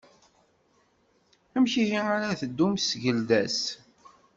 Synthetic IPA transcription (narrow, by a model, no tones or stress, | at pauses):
æmçihiaɾaθəd̪ːumsʝəld̪æs